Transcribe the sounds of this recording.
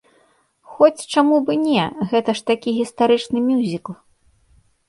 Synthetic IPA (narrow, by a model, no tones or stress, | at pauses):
xɔt͡sʲt͡ʂamubɨnʲɛɣɛt̪ɐʂt̪akʲiɣʲist̪aɾɨt͡ʂnɨmʲjuzʲiklˠ